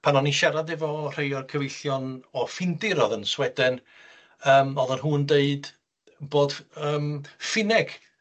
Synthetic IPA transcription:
pʰanɔniʃɛɾaðɪvɔr̥ejɔrkʰəvejɬjɔnɔfɪndɪɾɔðənswɛdɨn | əːmɔðɔnɦuːndeɨd | boːd̥əːmfɪnɛɡ̥

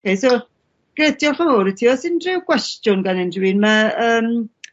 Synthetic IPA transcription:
kʰejsʊ | ɡ̥rɛdjɔχaɔɾitʰiːɔsɪndrɪwɡ̥wɛstjʊnɡanɛndrinmaəːm

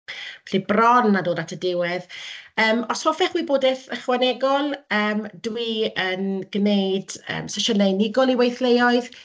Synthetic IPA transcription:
ɬibrɔnːadoːdatʰədɪwɛðəːmɔshɔfɛχwiboːdɛθəχwanɛɡɔlˠəːmdwiənɡ̥nejd̥ə̰ːmsəʃənejnɪɡɔlˠiwejθlejɔɨð

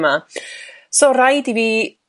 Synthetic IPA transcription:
ma | soːrajdiviː

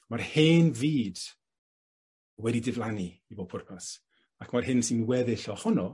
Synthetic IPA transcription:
marheːnviːd̥ | wɛdidɪvlˠaniiboːpʰʊrpʰas | akʰmarhɪnsinwɛðɪɬɔhɔnɔ

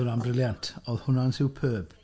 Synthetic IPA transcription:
ʊnambrɪljantʰɔðhʊnansɪwpʰøːb̥

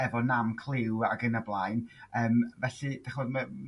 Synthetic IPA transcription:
ɛvɔnamkʰlˠɪwa̰ɡənablˠajnəːmvɛɬɨd̥aχoːdmə

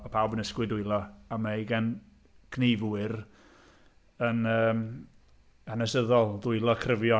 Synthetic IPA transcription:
ɔpʰawbənəskwɨdʊɨlˠɔamaiɡɛn | kʰneːvuɪr | ənəːm | hanɛsəðɔlˠðʊɨlˠɔkʰrəvjɔ

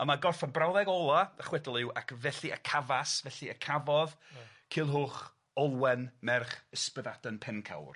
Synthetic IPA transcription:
əmaɡɔrfanbrawðɛɡɔlˠaəχwɛdɔlˠɪwʔakʰvɛɬiʔəkʰavasvɛɬiəkʰavɔð | kʰiːlˠɦʊːχ | ɔlˠwɛnmɛrχəspəðadənpʰɛnkʰa̰wr

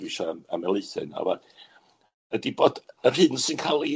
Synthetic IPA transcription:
ɪʃaa̰mɛlˠɨθɨ̰na̰va | ədiboːd̥ər̥hɨnsɨnkʰalˠi

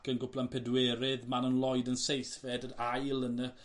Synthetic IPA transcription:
kənɡʊpʰlˠanpʰɛdwɛɾɪðmanənlˠɔjdənsejθfɛdənajlˠənə

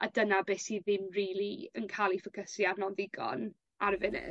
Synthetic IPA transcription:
a̰dənabɛsiðɪmriːlˠiənkʰalˠifəkʰəsjarnɔnðɪɡɔ̰n | aɾəvɪnɪ̰

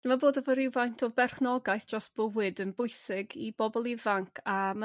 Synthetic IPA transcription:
d̥ɪmaboːdɔvəɾɪwvajntʰɔbɛrχnɔɡajθd̥rɔsb̥əwɨdənbʊjsɪɡib̥ɔbɔlˠivaŋkʰama

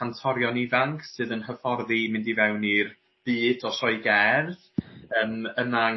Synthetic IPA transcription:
antʰɔɾjɔnɪvaŋkʰsɨːðənɦəfɔrðimɪndivɛwnir | b̥ɨːdɔsɔɨɡɛrð | əːməma

